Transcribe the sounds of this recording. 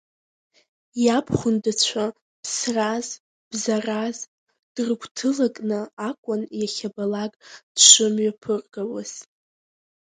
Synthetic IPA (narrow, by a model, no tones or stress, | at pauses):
japʰχʷʊndɨt͡ɕʷʰa | pʰsraz | b̥zaraz | d̥rɡʷtʰɨlakʼnɨakʷʼʊnjaχʲabalaɡʼd̥ʃʷɨmɥapʰɨrɡawaz̥